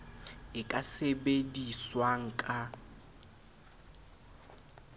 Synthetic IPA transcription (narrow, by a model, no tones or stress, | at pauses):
ɪkʼasebediswaŋ̩kʼa